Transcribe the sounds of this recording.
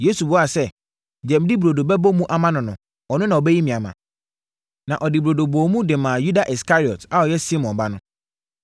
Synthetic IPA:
je˦su˨bʊ˦a˨sɛ˦ | d͡ʑɛ̃˨m̩˨di˦bɾo˨do˨bɛ˦bɔ˦mũ˦ʔa˦mã˦nʊ̃˨nʊ̃˨ | ɔ˨nʊ̃˦nã˨ɔ˨bɛ˦ji˦mĩ˨a˨mã̰˨ | nã˨ʔɔ˨dɪ˨buɾo˨do˨bɔ˨˦mũ˦dɪ˨mãː˨ju˦da˨ʔi˨skʰa˦ɾi˨ɔ˨ta˦ɔ˨jɛ˦si˦mɔ̃˨nba˦nʊ̃˦

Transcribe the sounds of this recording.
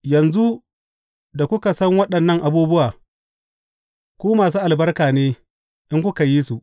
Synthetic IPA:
jɐ˨nzu˦ | da˨kʷʊ˦ka˨sɐ˦ŋwɐ˦ɗɐ˨nːɐ˦ŋʔa˨buː˦bʊ˦waː˨ | kʷoː˦maː˨s̬uː˦ʔa˨lbɐ˦rkaː˨neː˦ | ʔɪ˦ŋkʷʊ˦ka˨ji˦su˨ʔ

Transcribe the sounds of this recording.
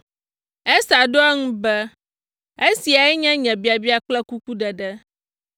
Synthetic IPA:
ɛ˦sa˨ɖo˦ɛ˦ŋũ˦bɛ˦ | e˦si˨a˨ɛ˦ɲɛ̃˦ɲɛ̃˨bi˨˦a˨bi˦a˨k͡plɛ˦ku˦ku˦ɖɛ˨ɖɛ˦

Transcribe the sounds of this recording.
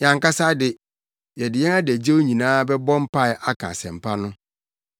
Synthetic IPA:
ɲã˨ŋka˦sa˦dɪ˨ | jɛ˨dɪ˨jɛ˦ŋa˦dæ˨d͡ʑe˦wo˦ɲĩ˨nãː˦bɛ˦bɔ̃˦m̩˦pʰa˦ɪ˨ʔa˦kʰa̰˨sɛ̰̃˨m̩˨pʰa˦nʊ̃˦

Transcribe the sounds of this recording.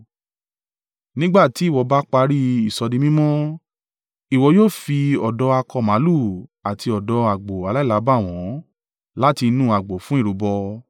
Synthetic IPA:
nĩ˦ɡ͡ba˦˨ti˨˦i˦˨wɔ˨˧˦ba˦k͡pa˧ɾi˦i˨sɔ˨˧dĩ˧mĩ˦mɔ̃˦ | i˨wɔ˧˦joː˦˨fi˧ɔ˨dɔ˧˦a˧kɔ˧mã˨˦lu˦˨a˨ti˧ɔ˨dɔ˧˦a˨ɡ͡bo˨a˨˧la˦˨la˨˦ba˦˨w̃ɔ̃˨˦ | la˦ti˧nũ˦˨a˨ɡ͡bo˨fũ˨˦i˦˨ɾu˨˦bɔ˧

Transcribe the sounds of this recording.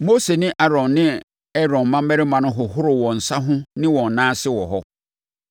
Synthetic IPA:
mo˦se˨nɪ̃˦ʔa˦ɾɔ̃˨nːɪ̃˦ | ɛ˦ɾɔ̃˨mã˦m˦ɛ˦ɾɪ˦mã˨nʊ̃˦ɦʊ˨ɦʊ˦ɾʊ˨wɔ̃˨n̩˨sa˦ɦʊ̃˦nɪ̃˦wɔ̃˨n˨nãː˦sɪ˦wɔ˨ɦɔ˦

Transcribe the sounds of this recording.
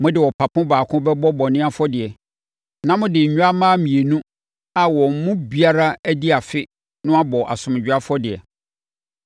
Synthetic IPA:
mʊ̃˦dɪ˨wɔ˨pʰa˨pʰʊ̃˦baː˨kʰʊ̃˦bɛ˦bɔ˦bɔ˨nɪ̃˦a˦fɔ˦dɪ˨ɛ˨ | nã˦mʊ̃˦dɪ˨ɲ̩˨ɲᶣ˦a˦mãː˦mĩ˨e˨nũ˦ | a˨wɔ̃˨m̩˨mʊ̃˦bi˦a˦ɾa˦æ˦di˦a˨fɪ˦ | nʊ̃˦a˦bɔ˨ʔa̰˨sʊ̃˨m˨d͡ʑᶣa˦fɔ˦dɪ˨ɛ̰˨

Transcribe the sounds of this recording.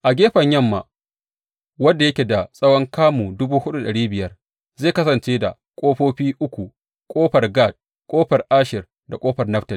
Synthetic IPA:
ʔa˨ɡʲeː˦ɸɐ˨ɲjɐ˦˨mːa̰˨ | wɐ˦dːa˨jɐ˦kʲe˨da˨sʼɐ˦wɔ˦ŋkaː˦muː˨dʊ˦buː˦hʊ˦ɗu˦ɗɐ˨ɽiː˦bɪ˨jɐ˦r | ze˦˨kɐ˦sɐ˨nt͡ʃeː˦da̰˨ | kʷʼoː˦ɸoː˦ɸiː˦ʔʊ˦kʷu˨ | kʷʼoː˦ɸɐ˨rɡa˦˨d̚ | kʷʼoː˦ɸɐ˨rʔaː˦ʃɪ˨r | da˨kʼoː˦ɸɐ˨rnɐ˦ɸtɐ˨l

